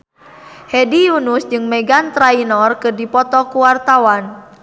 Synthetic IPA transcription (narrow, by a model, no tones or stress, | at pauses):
hɛdijunusd͡ʒɨŋmɛɡant̪ɾainɔrkɨrdipɔt̪ɔkuwart̪awan